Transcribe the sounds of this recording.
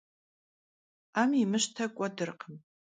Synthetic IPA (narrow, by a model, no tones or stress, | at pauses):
amimɨʃtʰakʷʼadɨrqʰəm